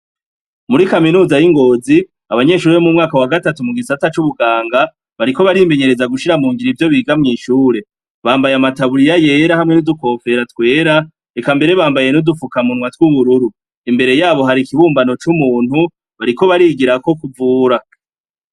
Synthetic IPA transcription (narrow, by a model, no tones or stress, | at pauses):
muɾikaminuːzajiŋɡo̞ːzi | aβaɲe̞ʃuːɾeβomumŋaːkawaɡatatumuɡisatat͡ʃuβuɡaːŋɡa | βaɾiko̞βaɾime̞ɲe̞ɾe̞zaɡuʃiɾamuːŋɡiɾivjo̞βiːɡamŋiːʃuːɾe̞ | βaːmbajamataβuɾijaje̞ːɾahamŋe̞nuduko̞ːfe̞ɾatwe̞ːɾa | ekambe̞ɾe̞βaːmbaje̞nudufukamunwatwuβuɾuɾu | imbe̞ɾe̞jaːβo̞ɦaɾikiβuːmbano̞t͡ʃumuːn̥hu | βaɾiko̞βaɾiːɡiɾako̞kuvuːɾa